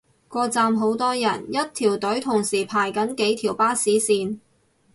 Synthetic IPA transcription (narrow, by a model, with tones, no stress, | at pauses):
kʷɔː˧t͡saː˧mɦo˨˥wt̪ɔː˥jɐ˨˩njɐ˥t̚t̪ʰiː˨˩wt̪ɵ˨˥ɥt̪ʰʊ˨˩ŋsiː˨˩pʰaː˨˩jkɐ˨˥nke˨˥jt̪ʰiː˨˩wpaː˥siː˨˥siː˧n